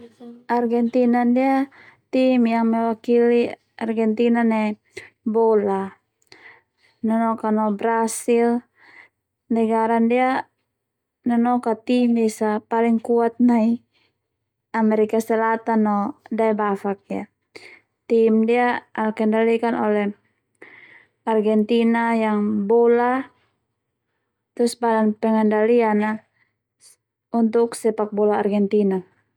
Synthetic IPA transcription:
ʔarɡɛnt̪inandia | t̪imjaŋmɛwakili | arɡɛnt̪inanɛ | bɔla | nɔnɔkanɔbɾasil | nɛɡaɾandia | nɔnɔkat̪imdɛsapaliŋkuat̪̚nai | amɛɾikasɛlat̪anːɔdaɛbafak̚ja | t̪imdiaʔalkɛndalikanʔɔlɛh | arɡɛnt̪inajaŋbɔla | t̪usbadanpɛŋɛndaliana | unt̪uksɛpak̚bɔlaːrɡɛnt̪ina

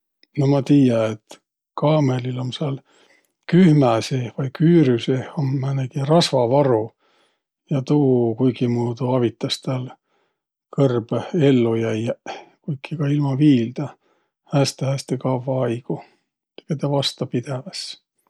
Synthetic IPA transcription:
nomɑt̪iːjɑet̪ | kɑːmelilo̞mseɑl | kyhmæsevɑjkyːɾyseomːæneɡ̥iɾɑsvɑvɑɾu | jɑt̪uːkujɡimuːd̪uɑvit̪ːˑɑst̪æl | kʰɤrb̥elːujæjkujkːikɑilmɑviːld̪̥ɑ | hæːst̪ehæst̪ekɑvːɑɑjɡ̥u | eket̪ɑvɑst̪ɑpid̪̥evɑs

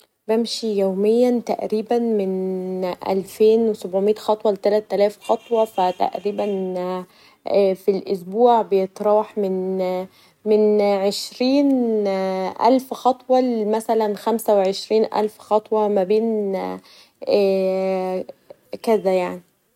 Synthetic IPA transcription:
bæmʃijoːmɪjːænt̪æʔɾiːbænmɪnʔæ̰lfeːnwesobʕomet̪xɑt̪ˤwɑlet̪ælæt̪ːælæːfxɑt̪ˤwɑfæt̪æ̰ʔɾiːbæn | filʔʊsbuːʕbejet̪ˤɾˤɑːħmɪn | mɪnʕeʃɾiːn | ʔæ̰lfxɑt̪ˤwɑlmæsælænxæmsæweʕeʃɾiːnʔæ̰lfxɑt̪ˤwɑmæbeːn | kæzæjaʕni

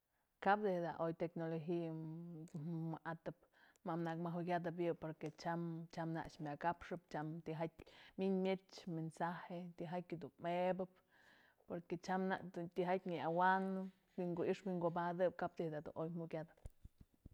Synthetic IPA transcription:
kapd̪ehd̪a̰ʔojt̪eknoloxi | maʔat̪ɨp̚ | mamnakmaɦukʲad̪ɨp̬jɨpoɾket͡ʃamt͡ʃamna̰ʔʂmʲakapʂɨpt͡ʃamt̪iɦak̚ʲmiɲmʲet͡ʃmensahet̪iɦakʲɨd̪unmebɨp̚ | poɾket͡ʃamna̰ʔd̪ut̪iɦat̚ʲɲiawanɨ | wiŋɡoiʂbwiŋɡobad̪ɨp̚kap̚d̪ehd̪ad̪ṵnʔojmukʲad̪ɨp̚

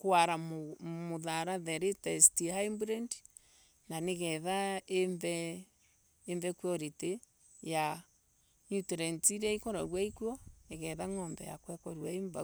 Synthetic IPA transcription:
kwaɾammoðaɾaðɛɾetɛstihaimbɾɛnd | naneɣɛðaeɱvɛ | ɱvɛkwɔɾete | ja | ɲutɛɾɛntiɾaikɔɾaɣwaikwɔneɣɛðaŋɔmbɛja̰kwɛkɔɾwaeɱba

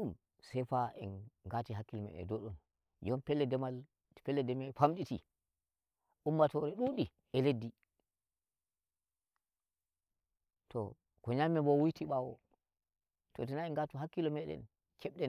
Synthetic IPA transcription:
um | sɛjfaʔɛ̰nɡatiɦakːilɔmɛ̰ɗɛ̰ndɔɗɔn | jɔmpɛlːɛdɛmal | pɛlːɛdɛmɛfamɗitḭ | ʔumːatɔɾɛɗuɗi | ɛledːi | tɔ̰ | kɔɲamːɛbɔwujtiɓawɔ̰ | tɔtɛnaɛnɡatuɦakːilɔmɛɗɛ̰n | kɛɓɗɛn

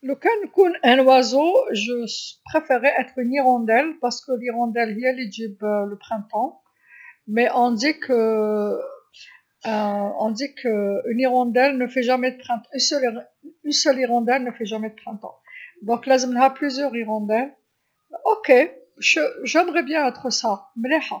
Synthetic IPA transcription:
ləkankunɛ̃nwazoʒəpχefɛʁɛʔɛt̪χyniʁɔ̃d̪ɛlpaʁsə̥kəliʁɔ̃d̪ɛlɦyɛliʒibləpχɛ̃t̪ɑ̃ | mɛʔɔ̃d̪ikʰə | ɔ̃d̪ikʰəyniʁɑ̃d̪ɛlnəfɛʒamɛd̪əpχɛ̃t̪ɑ̃ynsœli | ynsœliʁɔ̃d̪ɛlnəfɛʒamed̪əpχɛ̃t̪ɑ̰̃d̪ɔ̃klazmnɦaplyzjœʁiʁɔ̃d̪ɛl | ʔoke | ʃəʒɛmʁɛbjɛ̃ɛt̪χəsamleħa

